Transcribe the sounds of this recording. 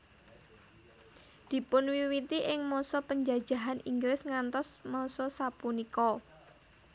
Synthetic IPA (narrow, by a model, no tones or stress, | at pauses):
d̪̥i̤pʊnwiwit̪iʔɪŋmɔsɔpəɲd͡ʒad̥d͡ʒ̥a̤ɦanʔiŋɡlɪsŋant̪ɔsmɔsɔsapunikɔ